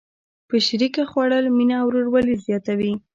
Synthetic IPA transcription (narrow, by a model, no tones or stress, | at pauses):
pəʃɾikaxwaɽəlminaːwɾoɽwalizjɑt̪awi